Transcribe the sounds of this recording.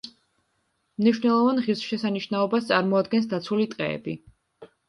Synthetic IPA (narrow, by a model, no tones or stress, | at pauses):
mniʃwnɛlˠɔvanʁiɾsʃɛsaniʃnaɔbast̪sʼaɾmɔad̪ɡɛns̬d̪at̪sʰulit̪ʼqʼɛ̰ːbi